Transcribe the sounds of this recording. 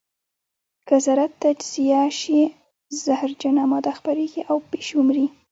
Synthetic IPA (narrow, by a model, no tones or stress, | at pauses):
kazaɾat̪ːad͡ʒz̥ijaʃi | zahɾd͡ʒanamɑd̪axpaɾeɡiʔawpeʃʊmɾi